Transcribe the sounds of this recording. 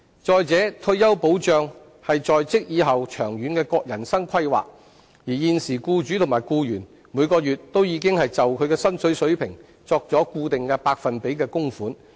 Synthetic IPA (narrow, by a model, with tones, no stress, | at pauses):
t͡sɔː˨jt͡sɛː˨˥t̪ʰɵ˧ɥjɐ˥wpo˨˥wt͡ʃœː˨ŋ | hɐ˨jt͡sɔː˨jt͡sɪ˥k̚jiː˨˧ɦɐ˨wt͡ʃʰœː˨˩ŋjyː˨˥nkɛː˧kɔː˧k̚jɐ˨˩nsɐ˥ŋkʷʰɐ˥jwa̰ː˨k̚ | jiː˨˩jiː˨˧nsiː˨˩kuː˧t͡ʃy˨˥t̪ʰʊ˨˩maː˨˩jkuː˧jyː˨˩n | muː˨˧jkɔː˧jyː˨t̚t̪o˥wjiː˨˧kɪ˥ŋhɐ˨jt͡sɐ˨wkʰɵ˨˧ɥkɛː˧sɐ˥nsɵ˨˥ɥsɵ˨˥ɥpʰɪ˨˩ŋ | t͡sɔː˧k̚t͡sɔː˨˥kuː˧t̪ɪ˨ŋkɛː˧paː˧k̚fɐ˨npe˨˥jkɛː˧kʊ˥ŋfuː˨˥n